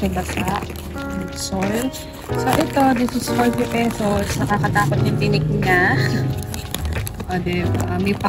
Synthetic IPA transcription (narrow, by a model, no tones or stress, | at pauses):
kɛbɐsaʔ | ɛsol | so̞ʔɛt̪o̞d̪ɪsɪsfoɹt̪ɪpɛsosnɐkakɐt̪aːpɐt̪̚ɲɐŋt̪ɪnɪk̚ɲa | ʔoːd̪ɛbaʔmɛp